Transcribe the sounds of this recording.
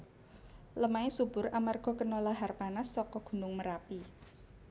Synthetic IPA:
ləmaesub̥ʊramarɡ̥ɔ̤kənɔlaɦarpanasːɔkɔɡ̥ṳnʊŋməɾapi

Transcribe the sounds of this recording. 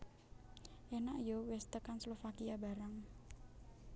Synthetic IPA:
ʔenaʔijɔwɛst̪əkanslofakiaba̤ɾaŋ

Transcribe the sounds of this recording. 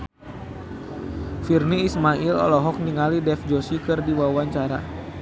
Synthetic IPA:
firniːsmailɔ̰lɔɦɔk̚niŋalidɛfd͡ʒosikɨrdiwawaɲt͡ʃaɾa̰

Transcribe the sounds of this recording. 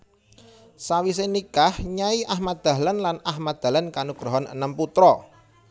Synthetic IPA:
sawis̬enikahɲaiʔahmad̪̥ä̤lanlanahmad̪̥a̤lənkanuɡ̥ɾɔɦɔnʔə̰nəmput̪ɾɔ

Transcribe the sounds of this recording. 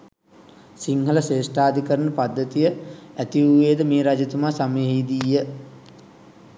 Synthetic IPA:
siŋɦələseːsʈaːd̪ʱikəɾənəpad̪ːət̪ijəæt̪iuʋeːd̪əmeːɾad͡ʒɐt̪umaːsameɦiːd̪ijːə

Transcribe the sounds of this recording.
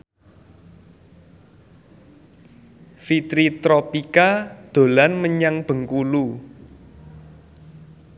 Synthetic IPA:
fit̪ɾit̪ɾopikad̪̥o̤lanməɲaŋb̥ə̤ŋkulu

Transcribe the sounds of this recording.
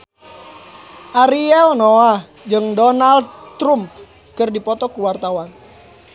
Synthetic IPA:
ʔaɾiɛlnoa | d͡ʒɨŋdɔnaldt̪ɾump̚ | kɨrdipɔt̪ɔkuwart̪awan

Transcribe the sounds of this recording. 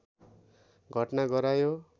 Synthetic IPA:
ɡʱʌʈnaɡʌɾajo

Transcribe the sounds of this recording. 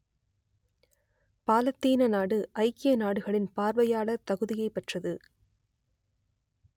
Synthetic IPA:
paːlɐt̪ːiːnɐnaːɽɯʔɐɪkɪjɐnaːɽɯɣɐɭɪnpaːɾʋɐjaːɭɐt̪ɐɣɯðɪjɐɪpɛʈrɐðɯ

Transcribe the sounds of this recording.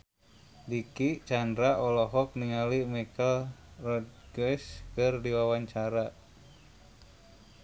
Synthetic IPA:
dikit͡ʃandɾaʔɔlɔɦɔk̚niŋalimakəlrɔdɡɛskɨrdiwawaɲt͡ʃaɾa

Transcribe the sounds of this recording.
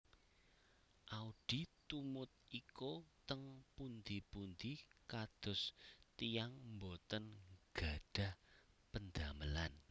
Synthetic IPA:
ʔauɖ̥i̤t̪umʊt̪̚ikot̪əŋpund̪ipund̪ikad̪̥ʊ̤st̪ijaŋmbot̪ənɡ̥a̤ɖ̥a̤h | pənd̪̥aməlan

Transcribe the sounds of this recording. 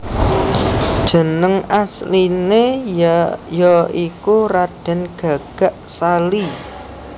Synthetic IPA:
d̥ʒ̥ə̤nəŋasline | jɔikuɾaɖ̥a̤nɡ̥ä̤ɡ̥a̤ʔsali

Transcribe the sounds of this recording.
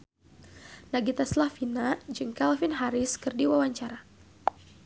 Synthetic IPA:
naɡit̪aslafinad͡ʒɨŋkalfinɦaɾɪskɨrdiwawaɲt͡ʃaɾa

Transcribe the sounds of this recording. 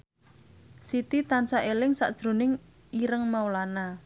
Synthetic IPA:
sit̪it̪ansaʔelɪŋsa̰ʔd̥ʒ̥ɾo̤nɪŋ | iɾəŋmawlana

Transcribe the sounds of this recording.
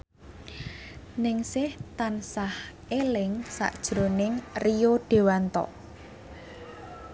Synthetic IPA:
nɪŋsɪht̪ansah | elɪŋsa̰ʔd̥ʒ̥ɾo̤nɪŋrijoɖ̥e̤want̪ɔ̰ʔ

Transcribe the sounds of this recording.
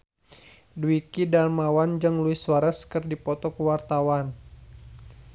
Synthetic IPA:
duikidarmawand͡ʒɨŋluiswaɾəskɨrdipɔt̪ɔkuwart̪awan

